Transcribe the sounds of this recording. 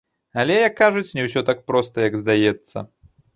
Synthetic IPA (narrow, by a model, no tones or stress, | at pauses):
alʲɛjɐkːaʐut͡sʲnʲɛws̬ʲɔt̪ak̚pɾɔst̪ɐjɐɡzd̪ajɛt̪sːɐ̰